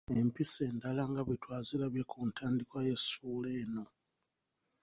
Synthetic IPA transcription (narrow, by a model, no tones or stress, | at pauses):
e̞mpise̞ːndalaŋɡaβitwaːzilaβjekʰuntʰaːndikwaje̞suːleːno̞